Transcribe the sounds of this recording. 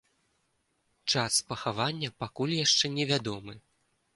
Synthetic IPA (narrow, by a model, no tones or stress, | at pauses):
t͡ʂaspɐxavanʲːɐpakulʲjaʂt͡ʂɛnʲɛvʲad̪ɔmɨ